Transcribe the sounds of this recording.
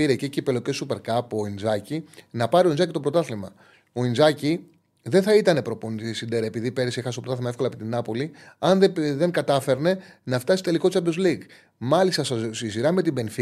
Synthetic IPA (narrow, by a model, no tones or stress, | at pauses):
iɾececipelocesupe̞ɾkɐpo̞inzɐcinɐpɐɾioinzɐcit̪o̞pɾo̞t̪ɐθlimɐ̰ | o̞inzɐci | ðenθɐit̪ɐne̞pɾo̞ponit̪sind̪eɾɐepiðipe̞ɾsiexɐst̪opɾt̪ɐθimɐe̞fko̞lɐepit̪inɐpo̞liɐnðeðe̞ŋɡɐt̪ɐfe̞ɾne̞nɐft̪ɐsi̥st̪eliko̞t̪t͡sɐbozliɡ | mɐlist̪ɐssisiɾɐme̞t̪ibe̞nθi